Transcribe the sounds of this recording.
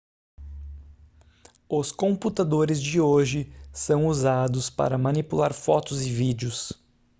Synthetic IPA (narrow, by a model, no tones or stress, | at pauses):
ʊskõput̪ad̪oɾɪzd͡ʒɪoʒɪsɐ̃w̃uzad̪ʊspa̰ɾɐmɐnipulaɾfɔt̪ʊzɪvid͡ʒɪʊs